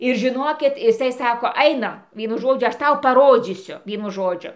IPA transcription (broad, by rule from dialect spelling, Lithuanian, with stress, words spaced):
ɪr ʒʲɪˈnoːkʲɪt ɪˈsɐɪ ˈsɑːkoː ˈɐɪnɐm ˈʋʲiɛnʊ ˈʒoːd͡ʒʲʊ ˈɐʃ ˈtɐʊ pɐˈroːd͡zʲiːsʲʊ ˈʋʲiɛnʊ ˈʒoːd͡ʒʲʊ